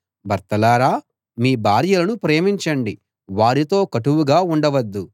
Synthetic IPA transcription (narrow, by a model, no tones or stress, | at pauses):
bɐɾt̪ɐlaːɾaː | miːbʱaːɾjɐlɐnupɾeːmiɲt͡ʃɐɳɖi | ʋaːɾit̪o̞ːkɐʈuʋuɡaːuɳɖɐʋɐd̪ːu